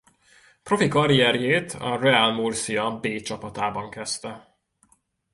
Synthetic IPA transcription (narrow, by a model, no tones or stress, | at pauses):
pro̞fikɒɾiɛrjeːt̪ʰɒ̰rɛalmursiɒbeːt͡ʃɒpɒt̪aːbɒŋkɛst̪ɛ